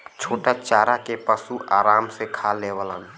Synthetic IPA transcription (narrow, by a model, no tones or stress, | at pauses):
t͡ʃʰoːʈat͡ʃaːɾakepəsuʔaːɾaːmsekʰaleːʋələn